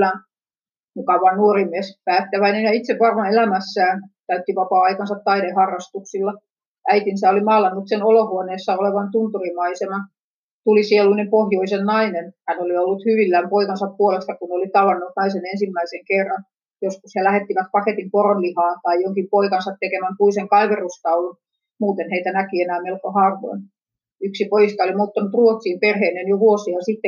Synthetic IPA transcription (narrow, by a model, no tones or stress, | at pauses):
æn | mukɑʋˑɑnnuorimiespæːt̪ːæʋæinenjɑit̪seʋʋɑrmɑelæmæsːæːnt̪æyt̪ːiʋɑpɑːɑikɑnsɑt̪t̪ɑiɾehɑrːɑst̪uksilːɑ | ʔæit̪insæːolimɑːlːɑnːut̪senolohuoneːsːɑoleʋɑnt̪unt̪urimɑisenɑ | t̪ulisieluinempohjoisennɑinenhænoliolːut̪hyʋilːæmpoikɑnsɑppuolest̪ɑkunneolit̪ɑʋɑnːut̪nɑisenensimːæiseŋkerːɑn | joskushelæhet̪ːiʋæt̪̚pɑket̪imporonlihɑːnt̪ɑijoŋkimpoikɑnsɑt̪tekemæmpuiseŋkɑiʋerust̪ɑulun | muːt̪enheit̪ænækienæːmelkohɑːrʋo̰in | yksipojist̪ɑolimot̪ːɑnut̪ruot̪siːmperheːnenjoʋuosiɑsit̪ːe